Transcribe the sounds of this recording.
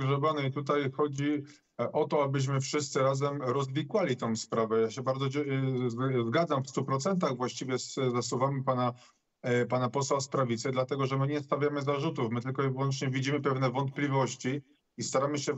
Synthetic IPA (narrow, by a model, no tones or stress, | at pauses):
ɡʐɛbanɔit̪ut̪ajxɔd͡ʑi | ʔɔt̪ɔabɘɕ̬mɘfʂɘst̪sɘɾazɛmɾɔzvʲikwalʲit̪ɔ̃w̃spɾavɛjaɕɛbaɾd̪zɔzzɡad̪zamfst̪upɾɔt̪sɛnt̪̬aɣvwaɕt͡ɕivʲjɛszasuvamɘpana | panapɔswaspɾavʲit̪sɛd̪lat̪ɛɡɔʐɛmɘɲɛst̪avʲjamɘzaʐut̪ufmɘt̪ɘlkɔivwɔnt͡ʂɲɛvʲid͡ʑimɘpɛvn̪ɛvɔnt̪̚plʲivɔɕt͡ɕi | ist̪aɾamɘɕɛ